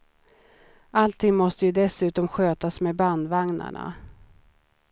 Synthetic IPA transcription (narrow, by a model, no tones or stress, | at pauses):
ʔalt̪ʰɪŋmɔst̪əjɵd̪ɛsʉ̟ːt̪ɔmɧøːt̪asmeːband̪vaŋna̰ɳa̰